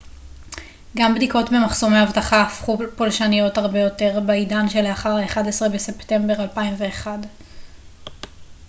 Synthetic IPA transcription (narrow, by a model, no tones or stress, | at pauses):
ɡambdiko̞tbe̞maχso̞mehavtaχaafχupolʃanijo̞thaʁbe̞jo̞te̞ʁbeidanʃe̞leaχaʁaeχadesʁebese̞pte̞mbe̞ʁalpaimve̞ːχad